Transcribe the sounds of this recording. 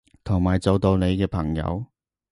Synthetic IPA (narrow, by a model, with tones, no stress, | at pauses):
t̪ʰʊ˨˩ŋmaː˨˩jt͡so˨wt̪o˧wne˨˧jkɛː˧pʰɐ˨˩ŋjɐ̰˨˧w